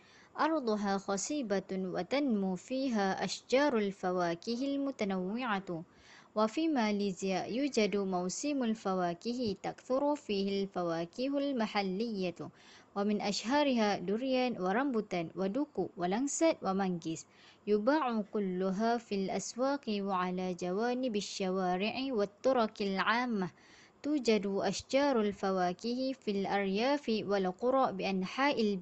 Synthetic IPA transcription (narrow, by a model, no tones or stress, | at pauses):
ʔɑɾˤd̪ˤʊɦaːxɑsˤiːbawa̰t̪anmufiːɦaːʔaʃd͡ʒɑːɾˤalfawaːkɪɦɪlmʊt̪anawːɪʕa | wafiːmaːliːzɪjajuːd͡ʒad̪mawsiːmalfawaːkɪɦt̪akθʊɾʊfiːhalfawaːkɪhalmaħalːɪjːa | wamɪnʔaʃɦɑːɾɪɦaːd̪ʊɾjanwɑɾˤɑmbʊt̪anwad̪ʊkuwalansawamaŋɡɪs | jʊbaːʕʊkʊlːʊɦaːfilʔaswaːqiwʕalaːd͡ʒawaːnɪbaʃːawaːɾɪʕiwat̪ːɑɾˤɑkalʕaːmːa | t̪uːd͡ʒad̪ʔaʃd͡ʒɑːɾˤalfawaːkihifilʔɑɾjaːfiwalqʊɾˤɑʔbɪʔanħaːʔɪl